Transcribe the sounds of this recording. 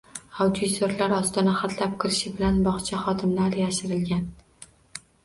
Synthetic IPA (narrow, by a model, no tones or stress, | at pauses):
awd̪it̪oɾlaɾɒst̪ʰɒnaχat̪ʰlap̚kʲʰɪɾɪʃɪbɪlanbɒχt͡ʃʰaχɒd̪ɪmlaɾjaʃɪɾɪlɡʲan